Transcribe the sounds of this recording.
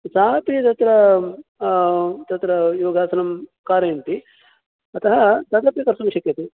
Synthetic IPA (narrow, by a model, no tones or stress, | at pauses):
saːpit̪ɐt̪ɾɐ | t̪ɐt̪ɾɐjoːɡaːsɐnɐmkaːɾɐnt̪i | ɐt̪ɐɦɐt̪ɐd̪ɐpjɐkɐɾsumʃɐkjɐt̪i